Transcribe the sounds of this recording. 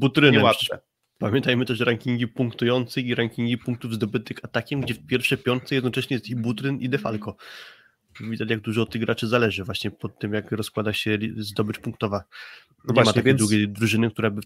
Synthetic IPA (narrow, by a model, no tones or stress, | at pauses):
but̪ɾɘnɛɛat̪ɛ̰ | pamʲjɛ̃nt̪ajmɘt̪ɛʂɾaŋkʲiŋɡʲipuŋkt̪ujɔnt̪sɛxiɾaŋkʲiŋɡʲipuŋk̚t̪uvzd̪ɔbɘt̪ɘxat̪akʲɛmɡd͡ʑɛfpʲjɛɾfʂɛjpʲjɔɾt̪t̪sɛjɛd̪nɔt͡ʂɛɕɲɛjɛst̪ibut̪ɾɘnid̪ɛfa̰lkɔ | vʲid̪at͡ɕjaɡ̚d̪uʐɔːt̪̚ːɘɣɡɾat͡ʂɘzalɛʐɘvwaɕɲɛpɔt̪ːɘmjakɾɔskwad̪aɕɛzd̪ɔbɘt͡ʂpũŋkt̪ɔva | ɲamat̪akʲɛd̪wuɡʲejd̪ɾuʐɘnɘkt̪uɾabɘ